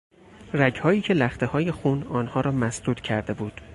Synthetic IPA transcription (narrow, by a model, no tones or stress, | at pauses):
ræɟhɒːiːcʰe̞læxt̪ʰe̞hɒːje̞xunɒːnhɒːɾɒːmæsd̪uːt̪cʰæɾd̪e̞buːd̪̥